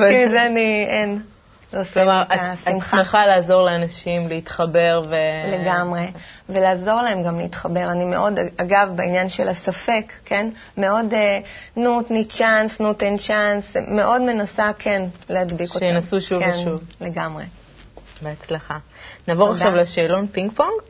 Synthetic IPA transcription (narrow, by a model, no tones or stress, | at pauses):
vimzeanien | losklomaʁaasimχeχalaːzo̞ʁleanaʃimleit̪χabe̞ʁvele̞ɡamʁe̞ve̞laːzo̞ʁlae̞mɡamleitχabe̞ʁanimeʔo̞daɡavbeinjanʃelasafe̞kːe̞n | me̞o̞denutnit͡ʃansnut̪ent͡ʃansme̞ʔo̞dme̞nasakʰe̞nleadbikotnasuʃuvnʃuvle̞ɡamʁe̞̰ | beat͡sleχanaːvoʁaχʃavleʃeːlonpiŋɡpoŋɡ